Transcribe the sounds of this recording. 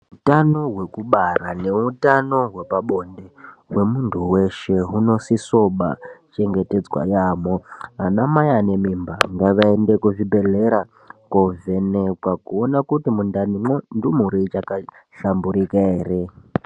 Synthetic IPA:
utano̞ɦwe̞kuɓarane̞utano̞ɦwe̞paɓo̞ndewe̞muntʰuwe̞ʃe̞ɦuno̞siso̞ɓa̰t͡ʃe̞ŋɡe̞te̞d͡zwa̰jamoɦanamajane̞mimba̰ŋɡaʋaendekuʐibʱe̞leɾa | kove̞nekwakuonakutimundanimwondumuɾit͡ʃaka | ɬambuɾikaeːre̞

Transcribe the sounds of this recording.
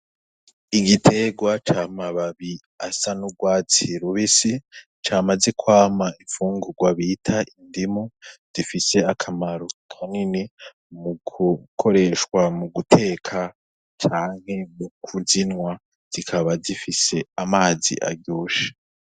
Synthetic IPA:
iɡitʰe̞ɡwat͡ʃamaβaβi | a̰sanuɡwaːt͡siɾuβisi | t͡ʃaːmaze̞kwaːmaiɱfuːŋɡuɡwaβitʰaindimoz̥ifise̞akʰamaɾokʰanine | muɡukʰo̞ɾe̞ʃwamuɡutʰe̞ːkʰa | t͡ʃaːŋ̥he̞mukʰuzinwa | z̥ikʰaβazifise̞amaːzḭʔa̰ɾɟoːʃḁ

